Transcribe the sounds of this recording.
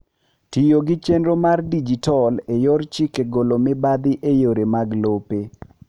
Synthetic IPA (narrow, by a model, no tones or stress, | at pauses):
tijoɡɪt͡ʃenɾomardid͡ʒitɔlejɔrt͡ʃikeɡolomɪbad̪ɪʔejoɾemaɡlope